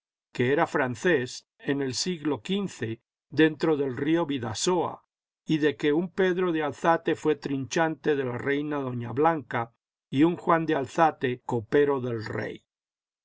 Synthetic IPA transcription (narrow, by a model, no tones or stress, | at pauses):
ke̞eɾafɾanθe̞s | ene̞lsiɣlo̞kinθe̞ | ðe̞nt̪ɾo̞ðe̞lrio̞βiða̰soa̰ | iðe̞ke̞umpe̞ðɾo̞ðealθat̪e̞fwe̞t̪ɾint͡ʃant̪e̞ðe̞lare̞jnaðo̞ɲaβlaŋka | iuŋxwand̪ealθat̪e̞ko̞pe̞ɾo̞ðe̞lrḛj